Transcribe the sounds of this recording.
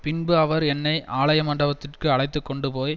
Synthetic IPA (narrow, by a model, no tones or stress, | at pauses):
pɪnbɯɐʋɐɾɛnːɐɪʔʔaːɭɐjɐmɐɳɖɐʋɐt̪ːɪrkɯɐɽɐɪt̪ːɯkːɔɳɖɯpoːj